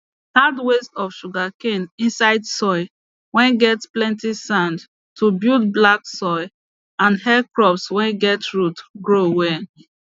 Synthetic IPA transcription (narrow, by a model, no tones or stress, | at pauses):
hadwestɔfʃuɡakẽnĩnsaɪdsɔɪ | wɛ̃nɡɛtsplɛ̃ntisãnd | tʰubild̚blaksɔɪ | ãnhɛkɹɔpswɛ̃nɡɛtɹutɡɹowɛ